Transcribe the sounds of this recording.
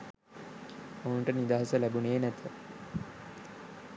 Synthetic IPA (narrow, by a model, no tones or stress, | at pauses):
ouɳʈənid̪aːɦasəlæbuneːnæt̪ʰə